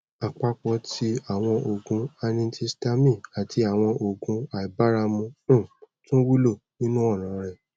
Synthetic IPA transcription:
a˨k͡pa˧k͡pɔ˧ti˧a˨w̃ɔ̃˧o˨ɡũ˧a˧nĩ˧˦ti˧sta˧mĩ˦˨a˨tʰi˧a˨w̃ɔ̃˧o˨ɡũ˧a˨i˨ba˦ɾa˧mũ˧ũ˦˨tũ˦wu˦lo˦˨nĩ˦nũ˦ɔ˦˨nã˨˦ɾ̃ɛ̃˨

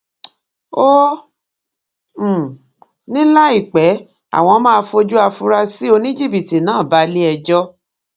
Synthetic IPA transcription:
o˦˨ | nĩ˦la˦i˦˨k͡pɛ˨˦ | a̰˦˨w̃ɔ̃˧mã˦a˧fo˧d͡ʒu˦a˧fu˧ɾa˧si˦o˧nĩ˦d͡ʒi˦˨bi˨ti˨nãː˨˦˨ba˨˦li˦ɛ˧d͡ʒɔ˦

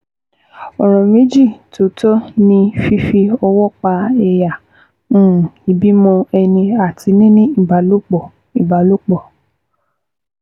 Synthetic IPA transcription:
ɔ˨ɾ̃ɔ̃˨mĩ˨˦d͡ʒi˦˨to˨˦tɔ˦nĩ˧fi˦fi˧ɔ˧wɔ˦k͡pa˧ɛ˧jã˨˦˨ | i˨bi˨˦mɔ̃˧ɛ˧nĩ˧a˨ti˨˧˦nĩ˦nĩ˦i˦˨ba˨lo˦k͡pɔ˨ | i˨ba˨lo˦k͡pɔ˦˨

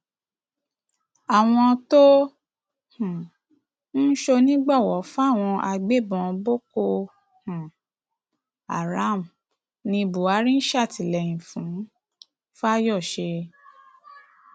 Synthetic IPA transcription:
a˨w̃ɔ̃˧to˦ | hũ˨ | n̩˦ʃo˧nĩ˦ɡ͡bɔ˦˨wɔ˨˦fu˦a˦˨w̃ɔ̃˧ʔa˧ɡ͡be˦bɔ̃˧˨˧bo˦ko˧ | hũ˨ | a̰˨ɾa˨˦˨m̩˨ | nĩ˧bu˨a˨˦ɾĩ˦n̩˦ʃa˦˨ti˨lɛ˨jĩ˨fũ˨˦ | fa˦jɔ˦˨ʃe˧

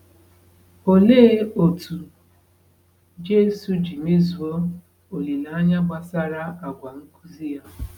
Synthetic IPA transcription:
o˨le˦o˨tu˨ | d͡ʒe˦su˨d͡ʒi˨me˦zu˨o˦ | o˨li˨la˨a˦ɲa˦ɡ͡bʷa˨sa˦ɾa˦a˨ɡʷa˨ŋ̩˦ku˦zi˦ja˦

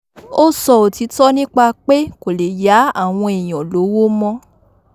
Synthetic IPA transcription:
o˦sɔ˧o˨ti˨˦tɔ˦nĩ˦k͡pa˧k͡pe˦ko˨le˨ja˨˦a˦˨w̃ɔ̃˧e˨j̃ɔ̃˨lo˨˦wo˦mɔ̃˦

